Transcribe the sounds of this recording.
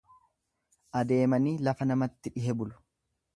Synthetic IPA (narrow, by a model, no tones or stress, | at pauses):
ʔɐd̪e̞ːmɐniːlɐfɐnɐmɐt̪ːɪᶑɪɦɛbʊlʊ̥